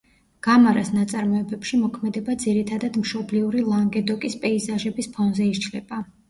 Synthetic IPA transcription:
ɡ̥amaɾasnat̪sʼaɾmɔɛbɛpʃimɔkʰmɛd̪ɛbad̪ziɾit̪ʰad̪ad̪mʃɔbliuɾilˠaŋɡɛd̪ɔkʼispʼɛizaʒɛbispʰɔnzɛiɾt͡ʃʰlɛba

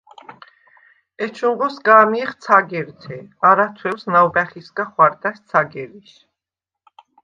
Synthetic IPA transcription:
ɛt͡ʃʰuɴʁɔsɡaːmiχt̪t͡sʰaɡɛɾt̪ʰɛaɾat̪ʰwɛwsnawbɛχiskʼaχwaɾt̪ʼast̪sʰaɡɛɾiʃ

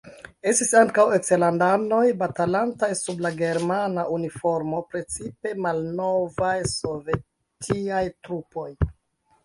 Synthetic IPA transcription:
e̞stisaŋkawe̞kselandano̞jbatalantajsublaɡe̞ɾmanaʔunifo̞ɾmo̞pɾe̞t͡sipe̞malno̞vajso̞ve̞ | tʰiajtɾupo̞j

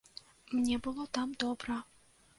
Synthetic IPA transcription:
mnʲɛbɨlˠɔt̪amd̪ɔbɾɐ

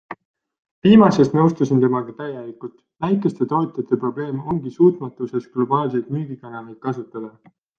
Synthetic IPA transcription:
viːmɑse̞st̪nɤwst̪usint̪e̞mɑɡ̥ɑt̪æjelikult̪ˑ | væjkːˑe̞st̪e̞t̪o̞ːt̪ʲjɑt̪ːˑe̞pro̞ble̞ːmo̞ŋɡ̥isuːt̪ˑmɑt̪ːˑuse̞sɡ̥lo̞bɑːlsejt̪myɡ̥ikɑnɑnejt̪̚kɑsut̪ːˑɑd̪̥ɑ

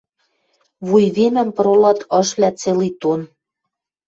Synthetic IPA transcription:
βujβemə̆mpɤɾolɑt̪ɤ̆ʃlʲæt͡selijt̪on

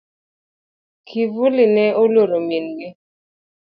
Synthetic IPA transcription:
kʰivulɪnɛoloɾominɡɪ

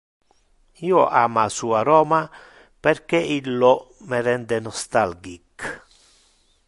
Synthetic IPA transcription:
iːoʔaːmasuaɾɔːma | perk̟eilːɔmeɾɛnd̪enɔst̪alɡik

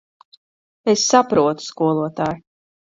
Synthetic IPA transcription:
esʲsːapɾuɔt̪u̥skuɔlˠuɔt̪aːj

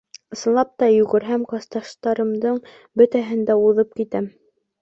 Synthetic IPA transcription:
ɤ̆sɤ̆nˠɑp̚t̪ɑjʉɡɘ̆ɾɦæmkɑst̪ɑʃt̪ɑɾɤ̆md̪ɤɴ | bɵ̆t̪æɦɘ̆nd̪æuðɤp̚kit̪æm

